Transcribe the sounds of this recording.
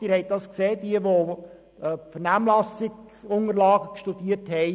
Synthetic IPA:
iːɾhɛɪt̚dɑskseːdiəʋo | pfənæːmlɑsɪɡ | sʊŋəɾlɑːɡəkʃtud̥iəthɛɪ

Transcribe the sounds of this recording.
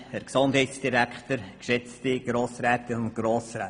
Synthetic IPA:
hɛɾksond̥ɦɛjtsd̥iɾækχt̪əɾkʃɛt͡stɪɡ̥ɾoːsɾæːt̪ɪnʊnt̚ɡ̥ɾoːsɾɛː

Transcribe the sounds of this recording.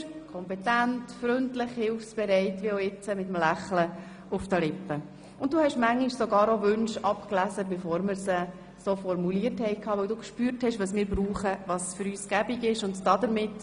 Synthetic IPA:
kʰɔmpɛtæntfɾʏntlɪχhɪlfsb̥ɛɾɛɪtʋiɔɪt͡səmɪt̪əmlæχlə | ʊfdəlɪpːə | ʊnt̚duːhɛʃmæŋːiʃsoɡɑːɾoʋʏnʃɑpklæsəbɛfoːɾməɾsə | sofɔɾmuliəthɛɪkʰɑːʋɵwduːkʃpyːɾthɛʃʋɑsmɪːɾbɾuːχəʋɑsfʏɾyːsɡ̥æbiɡɪʃʊndd̥ɑd̪əɾmɪt

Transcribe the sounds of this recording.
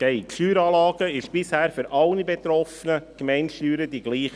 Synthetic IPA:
ɡ̥ɛɪkʃyːɾɑːlɑːɡ̥əɪʃb̥ɪshæːɾføɾʔɑlnibɛt̪ɾɔfənəkmɛɪnʃyːɾəd̥iɡ̥liːχə

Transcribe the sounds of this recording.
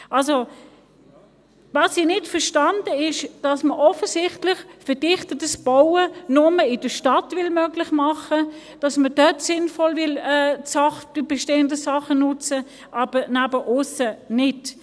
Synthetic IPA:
ʔɑlso | vɑsinɪtfəʁʃtɑndəɪʃd̥ɑsməʔɔfəsɪχtlɪχfəd̥ɪχtətəsb̥awənʊməɪd̥əʃtɑtvɪlmœɡlɪχmɑχə | d̥ɑsməd̥œtsɪnfɔlvɪlɛːsɑχd̥əbɛʃteːəndəsɑχənʊt͡sə | ʔɑb̥ənæbəʔʊsənɪt

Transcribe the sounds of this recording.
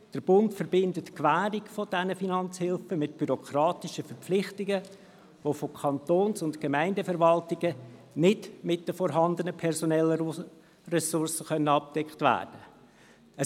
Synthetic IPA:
d̥əɾb̥ʊntfəɾbɪndətkʋæːɾiɡfod̥ɛnəfinɑnt͡shɪlfəmɪtb̥yɾɔkʰɾɑːt̪ɪʃəfəɾp͡flɪχtɪɡə | ʋofokʰɑntoːnsʊntkemæɪndəfəɾʋɑltɪɡ̥ə | nɪdmɪtd̥əfɔɾɦɑnd̪ənəpʰɛɾsɔnɛlːə | rɛsʊrsəχœnəɑp̚d̥ɛkχtvæ̰ːrd̥ə | ə

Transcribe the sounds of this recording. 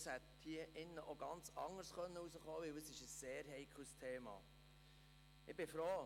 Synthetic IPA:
shɛt̪hiəʔɪnːəʔoɡɑnt͡sɑŋːəɾsχœnːəusəχoːʋɪwəsɪʃəsːeːɾɦɛɪkʰustʰeːmɑ̰ː | ʔɪbɪfɾoː

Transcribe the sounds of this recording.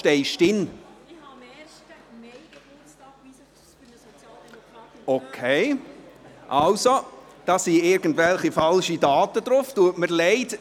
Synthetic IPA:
ʃtɛɪʃtɪn | okʰeɪ | ʔɑlsod̥ɑːsiɪɾɡ̥ən̩dvɛlχifɑlʃidɑːtəd̪ɾʊftuətməɾlɛɪt

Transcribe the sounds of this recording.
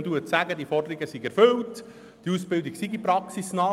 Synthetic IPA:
d̥uətsæɡədiəfɔrdəɾiɡəsiɡæɾfɵlt | d̥iusb̥ɪld̪iksiɡipɾɑksisnɑː

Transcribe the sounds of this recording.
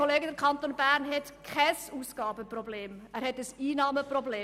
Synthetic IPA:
oleːɡədəɾkʰɑntonbæːɾnɦɛtkʰχɛsuːsɡ̥ɑːbəprobleːmæːɾhɛtəsiːnɑːməprɔbleː

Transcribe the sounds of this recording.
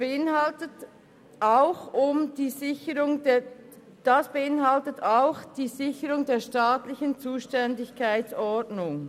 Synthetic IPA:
b̥eɪnhaltət | ʔaʊxʊmdiːzɪçəɾʊŋd | d̥asb̥eɪnɦaltətʰaʊxd̥iːzɪçəʁʊŋdeːɐʃtaːtlɪçənt͡suːʃtɛndɪçkʰaɪt͡sɔɐdnʊŋ

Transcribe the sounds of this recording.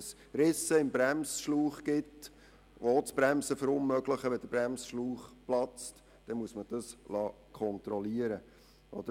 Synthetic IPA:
s | ɾɪsəɪmbɾæmsʃluːχɡ̥ɪt | ot͡sb̥ɾæmsəfəɾʊnmœɡləχəʋɛd̥əb̥ɾæmsʃluːχplɑt͡st | d̪̥ɛnmuəsməd̥ɑslɑː | kʰɔnt̪ɾɔliəɾə | ʔɔd̥̪ə

